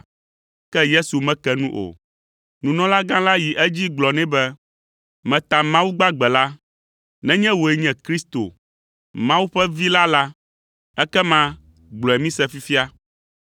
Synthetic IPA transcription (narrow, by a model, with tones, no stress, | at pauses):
kɛ˦je˦su˨mɛ̃˦kɛ˦nũ˦ʔo̰˨ | nũ˨nɔ̃˦la˦ɡã˦la˦ji˨ʔɛ˦d͡ʑi˦ɡ͡blɔ˨nɛ̃˦bɛ˦ | mɛ̃˨t̪a˨mã˦wu˦ɡ͡ba˦ɡ͡bɛ˨la˦ | nɛ̃˦ɲɛ̃˦wo˨ɛ˨ɲɛ̃˨kɾi˦st̪o̰˨ | mã˦wu˦ɸɛ˦vi˦la˦la˦ | ɛ˦kɛ˦mã˦ | ɡ͡blɔ˨ɛ˨mĩ˦sɛ˦fi˦fi˦a˦